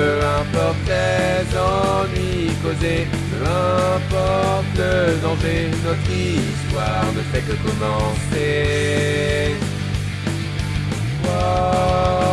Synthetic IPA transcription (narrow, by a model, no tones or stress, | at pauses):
ɛ̃pɔʁt̪lezɑ̃nɥi | koze | əɛ̃pɔʁt̪əzɑ̃ve | nɔt̪ist̪waʁd̪əfɛkəkɔmɑ̃se | wa